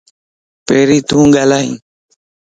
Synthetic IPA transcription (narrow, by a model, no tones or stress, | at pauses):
peɾit̪uŋɡalaj